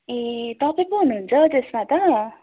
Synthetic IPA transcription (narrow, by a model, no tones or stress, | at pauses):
et̪ʌpaĩkoɦunuɦːnt͡sʰʌt̪esmat̪ʌ